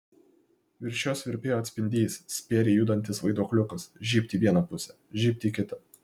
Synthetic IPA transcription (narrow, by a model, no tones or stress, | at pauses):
ʋʲɪɾʲʃʲoːsʋʲɪɾʲpʲeːjɐt̪ʲsʲpʲɪnʲd̪ʲiːsʲsʲpʲeːɾʲejud̪ɐnʲt̪ʲɪsʋɐɪd̪oːklʲʊkɐsʒʲiːpʲt̪ʲiːʋʲiɛnɐpʊsʲɛ | ʒʲiːpʲt̪ʲiːkʲɪt̪ɐ